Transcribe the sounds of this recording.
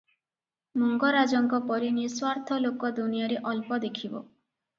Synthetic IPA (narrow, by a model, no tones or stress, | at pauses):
mɔŋɡɔɾad͡ʒɔŋkɔpɔɾiniswaɾt̪ʰɔlokɔd̪unijaɾeʔɔlpɔd̪ekʰibɔ̰